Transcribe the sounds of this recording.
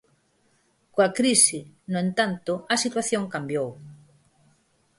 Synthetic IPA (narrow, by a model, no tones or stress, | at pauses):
koakɾisɪnoẽnt̪ant̪ʊɐsit̪waθjoŋkambjow